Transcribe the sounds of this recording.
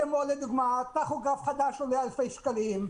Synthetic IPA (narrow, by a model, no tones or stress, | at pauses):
emoled̪uɡmat̪aχuɡafχad̪aʃolealfejʃkalim